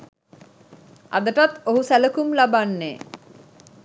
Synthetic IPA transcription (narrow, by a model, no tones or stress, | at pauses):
a̰d̪əʈat̪oɦusæləkumlabanːeː